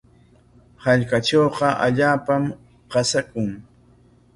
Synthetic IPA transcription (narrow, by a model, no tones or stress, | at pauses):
haʎkaʈ͡ʂoːqɑʔa̰ʎaːpam | qasakʊŋ